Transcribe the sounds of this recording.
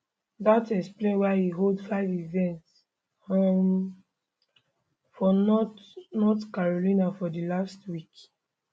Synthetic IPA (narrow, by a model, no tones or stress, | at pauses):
datɛksplẽnwaɪhiɦoldfaɪvivɛ̃nts | hɔm | fɔn | nɔtkaɹolĩnafɔdilastwik